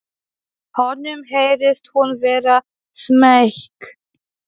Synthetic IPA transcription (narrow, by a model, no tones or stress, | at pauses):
hɔnːʏmhejɾɪst̪hunvɛːɾa | smejhk